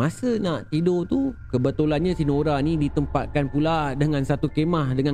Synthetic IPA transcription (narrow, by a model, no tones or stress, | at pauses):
masənaʔt̪idot̪ukəbət̪olanɲãsinoɾanĩdit̪əmpa̰t̪̚kanpuladəŋãnsat̪ukemahdəŋã